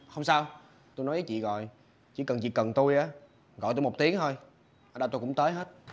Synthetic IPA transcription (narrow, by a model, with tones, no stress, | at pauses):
hə˧wŋ͡msaː˧w | t̪u˧jnɔ˨˦jvəː˨˦jt͡ɕḭ˧˨ɣɔ̰˧˨j | t͡ɕḭ˧˩˦kə˨˩nt͡ɕḭ˧˨kə˨˩nt̪u˧jʔaː˨˦ | ɣɔ̰˧˨jt̪u˧jmo˨˩k͡p̚t̪i˨˦əŋt̪ʰo˧j | ʔə˧˩ɗa˧t̪u˧kʊ̰˧˥ŋ͡mt̪əː˨˦jɦe˦˥t̚